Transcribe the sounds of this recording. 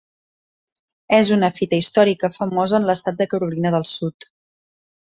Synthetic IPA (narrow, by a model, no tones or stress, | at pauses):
ɛzunəfit̪əist̪ɔɾikəfəmɔzəːnləst̪at̪̚d̪əkəɾulinəðəlˠsut̪